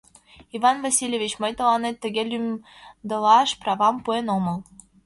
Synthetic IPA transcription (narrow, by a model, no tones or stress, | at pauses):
ivɑnvɑsʲilʲjevʲit͡ɕmɤ̆jt̪ɤ̆lˠɑnet̪ːɘ̆ɡʲelʲym | d̪ɤ̆lˠɑʃprɑvɑmpuenomɤ̆lˠ